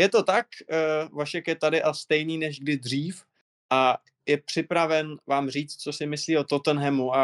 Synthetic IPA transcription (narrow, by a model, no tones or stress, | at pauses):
jɛt̪o̞t̪akvaʃɛkjɛt̪adɪʔast̪ɛjniːnɛʒɡdɪd̪r̝iːf | ʔa | jɛpr̝̥ɪpɾavɛnvaːmr̝iːt͡st̪̚t͡so̞sɪmɪsliːot̪ot̪ənɦɛmua